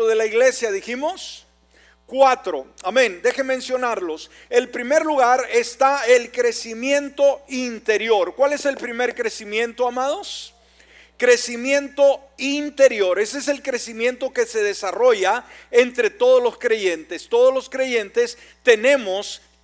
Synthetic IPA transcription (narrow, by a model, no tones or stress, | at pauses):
oðelaiɣle̞sjaðiximo̞s | kwat̪ɾo̞amẽ̞nd̪e̞xemːẽ̞nsjo̞naɾlo̞s | elpɾime̞ɾluɣaɾest̪ae̞lkɾe̞simje̞nt̪o̞int̪e̞ɾjo̞ɾkwale̞se̞lpɾime̞ɾkɾe̞simjẽ̞nt̪o̞amað̞o̞s | kɾe̞simje̞nt̪oint̪e̞ɾjo̞ɾe̞sees̬e̞lkɾe̞simjẽ̞nt̪o̞ke̞se̞ðe̞saro̞ʝaent̪ɾe̞t̪o̞ð̞ozlo̞skɾe̞ʝe̞nt̪e̞st̪o̞ð̞ozlo̞skɾe̞ʝe̞nt̪e̞s | t̪e̞ne̞mos